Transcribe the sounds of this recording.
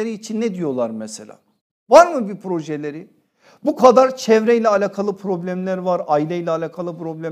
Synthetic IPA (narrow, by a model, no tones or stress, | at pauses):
eɾiːt͡ʃʰinːɛd̪ijo̞lˠaɾmɛselʲa̰ː | vaɾmɯbipʰɾo̞ʒelʲeɾi | bukʰad̪aɾt͡ʃʰɛvɾɛjlʲɛalʲakʰalˠɯpʰɾo̞blʲæmlʲæɾvaɾajlʲɛjilʲɛːlʲakʰalˠɯpɾo̞blʲæ